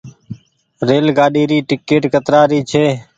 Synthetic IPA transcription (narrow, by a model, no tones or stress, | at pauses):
ɾeːlɡaːɗiːɾiːʈɪkːeːʈkət̪ɾaːɾiːt͡ʃʰeː